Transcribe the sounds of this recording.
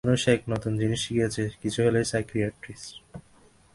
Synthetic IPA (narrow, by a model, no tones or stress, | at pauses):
noʃekʰnɔt̪und͡ʑiniʃikiet͡ɕʰekit͡ɕʰuɦelejsajkɾiaʈɾis